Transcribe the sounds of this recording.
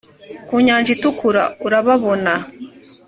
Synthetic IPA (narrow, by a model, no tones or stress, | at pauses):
kuɲaːɲʒitukuɾa̰uɾaβaβo̞na